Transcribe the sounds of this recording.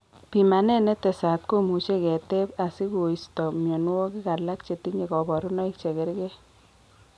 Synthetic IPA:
pi˨ma˨ne˦ne˦t̪e˨sa˨t̪̚ko˦mu˨t͡ʃe˦kɛ˨te˦pa˨si˦ko˨istɔ˨mjɔ˨nu˦wo˦ki˦ka˨la˦k̚t͡ʃe˨ti˦ɲe˨kɔ˨bɔ˨ɾʊ˦nɔ˦i˦k̚t͡ʃe˨ke˦ɾkɛ˦

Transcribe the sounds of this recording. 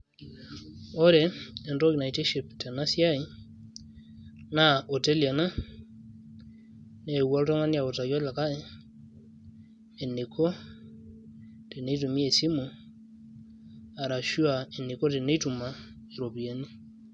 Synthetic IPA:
o˦ɾe˨e˨ndo˦ju˨na˨i˨te˦ʃi˨pta˨na˦sja˦i˦ | na˦ʔo˨te˦lja˨na˦ | ne˨wa˦lo˦to˦ŋa˦ni˦a˨o˨ta˨jo˦la˨ka˦e˨ | e˨ne˨kʰo˦ | te˨ne˦i˦tu˨mi˦e˨si˦mo˨ | a˨ɾa˨ʃu˦a˨e˨ne˨ko˦te˨ne˦tu˨ma˨ | e˨ɾo˨pi˨a˨ni˦

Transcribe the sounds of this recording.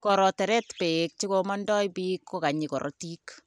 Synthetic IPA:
kɔɾɔ˨tɛ˨ɾɛ˦tpe˨k̚t͡ʃi˦ko˧mɔndɔ˦jpi˦kʰːo˦ka˨ɲi˨kɔ̰˨ɾʔɔ̰ti˦k

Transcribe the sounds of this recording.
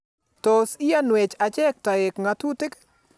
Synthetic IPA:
tɔ˨si˦a˦nwɛ˨t͡ʃa˨t͡ʃɛ˦k̚ta˨ɪ˨kŋa˨tu˦tɪ˦k

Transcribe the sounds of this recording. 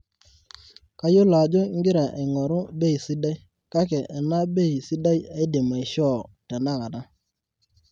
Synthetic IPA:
ka˦jo˦la˨d͡ʒo˦ŋ˦ɡɪ˦ɾa˨ʔe˨ŋɔ˨ɾʊ˦be˦˨si˦da˦j | ka˦kɛ˨ʔːna˦be˦i˨si˦da˦ja˦i˦de˨ma˨i˨ʃɔ˦˨ta˨na˦˨ka˨da˦

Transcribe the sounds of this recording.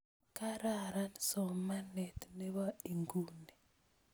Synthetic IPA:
ka˦ɾa˦ɾa˦nsɔ˨ma˦nɛ˨t̪ne˦βa˦i˨ŋɡu˦ni˨

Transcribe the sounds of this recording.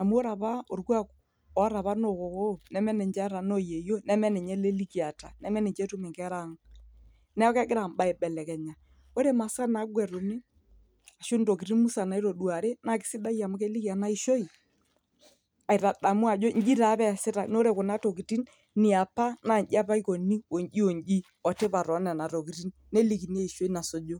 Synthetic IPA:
a˨mu˦o˦ɾa˨pa˦o˨rkwa˦k | ɔ˨˦ɾa˨pa˦no˨ko˨ko˦nɛ˦mɛ˦nɛ˨ɲd͡ʒɛ˦ɾa˨no˦je˨jo˦nɛ˦mɛ˦nɛ˨ɲɛ˦le˦li˦ki˨a˨ta˨nɛ˦mɛ˦nɛ˨ɲd͡ʒɛ˦tʊ˦mɪ˨ŋkɛ˦ɾa˦ŋ | nɛ˦ɔ˦kɛ˦ɡɪ˦ɾa˨mɓa˨e˨ɓɛ˨lɛ˨kɛ˨ɲa˨ | o˦ɾe˦ma˨ska˦na˨˦ɡwɛ˨ɾʊ˨mi˦ | a˨ʃo˦n˨to˨ki˨ɾi˦nmu˦sa˨na˨˦i˦ɾo˨du˨a˨ɾe˦na˨kɪ̥˨˦sɪ˦da˦ja˨mʊ˦kɛ˦li˦ki˨a˨na˦i˨ʃo˦i˨ | a˨i˨ɾa˨ɗa˨mu˦a˨d͡ʒo˦ɲ˦d͡ʒi˦ɾa˨˦pɛ˦˨sɪ˦ta̰˨no˦ɾe˨kʊ˨na˦to˨ki˨ti˦n | nɪ˨a˨pa˦na˨ɲd͡ʒi˦a˦pa˦i˦ko˨ni˦o˨ɲd͡ʒi˦o˨ɲd͡ʒi˦ | ɔ˨te˦pa˨ɾɔ˨˦nɛ˨na˨ɾo˨ki˨ri˦nːɛ˦li˨ki˨n˦e˦i˨ʃo˦i˦na˨so˨d͡ʒo˦

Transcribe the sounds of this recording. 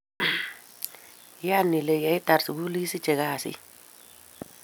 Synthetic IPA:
janːi˨leja˦jta˨ɾsɡu˦li˦si˦t͡ʃe˨ɡaːsḭ˦

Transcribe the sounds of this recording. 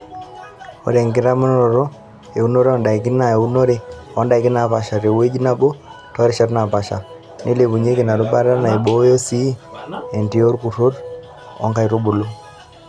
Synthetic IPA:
o̰˨ɾe˨ŋɡɪ˦ɾa˦mu˦n˦ɾo˨ɾo˦ | e˨u˦no˦ɾe˦ɔ˦nda˨i˨ki˦na˨e˨u˦no˦ɾe˦ɔ˦nda˨i˨kɪ˦na˨pa˨ʃa˨ɾe˨we˦d͡ʒi˦na˦bo˦tɔ˦ɾi˦ʃɛ˦ɾna˨pa˨ʃa̰˨ | nʔe˦le˨βu˨ɲe˦ki˨na˨ɾu˦ba˦ɾa˦na˨i˨ɓo˦jo˦si˦e˨nti˨o˦ɾku˨ɾo˦ɾ | ɔ̰˦ŋka˦˨i˨ɾo˦bu˨lo˦

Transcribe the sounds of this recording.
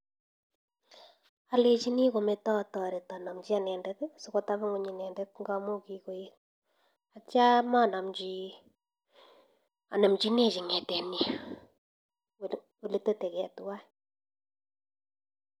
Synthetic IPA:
a˨le˨t͡ʃi˦ni˦ko˨me˦tɔ˦˨tɔ˨ɾe˨ta˨na˨mt͡ʃi˦a˨nɛ˨ndɛ˦tsʊ˨˦ko˦ta˦βŋo˦ɲi˨nɛ˨ndɛ˦t̚ŋɡa˦mu˦ki˨ko˨je˦t̚ | a˨t͡ʃa˦ma˦˨na˨md͡ʒi˦ | a̰˨na˨mt͡ʃi˦ne˦˨t͡ʃi˨ŋɛ˨tɛ˨nj | o˨le˨te˦tɛ˨kɛ˨twa˦˨

